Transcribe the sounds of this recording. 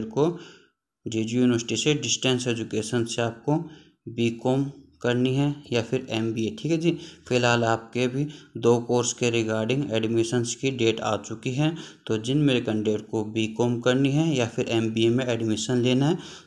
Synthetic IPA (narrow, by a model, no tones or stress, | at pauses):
ɾko | d͡ʒeːd͡ʒijuːnɪʋəɾsɪ̥ʈiseɖɪsʈɛ̃ːnsɛd͡ʒʊkeːʃənseaːp̚ko | biːkoːmkɐɾniɦɛ̃jafɪɾɛːmbiːeʈʰiːkɦɛd͡ʒiːfɪlɦaːlaːp̚kebʱid̪oːkoːɾskeɾɪkaːɾɖɪ̃ŋɡɛːɖmɪʃənskiɖeːʈa̰ːt͡ʃʊkiɦɛ̃t̪od͡ʒɪnmeɾkə̃ɳɖeːʈkobiːkoːmkɐɾniɦɛ̃jafʰɪɾɛːmbiemẽɛːɖmɪʃənleːnaɦɛː